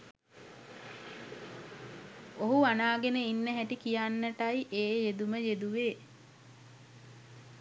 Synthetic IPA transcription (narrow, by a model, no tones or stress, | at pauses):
oɦuanaːɡenəinːəɦæʈikijanːəʈajiʔeːjed̪uməjed̪uʋeː